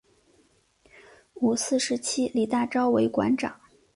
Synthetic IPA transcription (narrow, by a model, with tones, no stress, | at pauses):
u˨˩sɹ̩˥˩ʂɻ̩˧˥t͡ɕʰi˥li˨˩t̪a˥˩ʈ͡ʂɑ˥ʊwe˧˥ɪkwa̰˧˥nʈ͡ʂɑ̰˨˩˦ŋ